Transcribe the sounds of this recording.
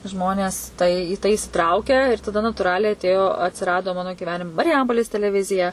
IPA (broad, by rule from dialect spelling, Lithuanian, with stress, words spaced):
ˈʒmoːnʲɛs tɐɪ iː tɐɪ ɪsʲɪˈtrɐʊkʲɛ ɪr tɐˈdɐ nɐtuːˈrɑːlʲɛɪ ɐtʲˈeːjoː ɐtʲsʲɪˈrɑːdoː ˈmɑːnoː ɡʲiːˈʋʲæːnʲɪm mɐrʲɪˈjɛmpoːlʲeːs tʲɛlʲɛˈʋʲɪzʲɪjɛ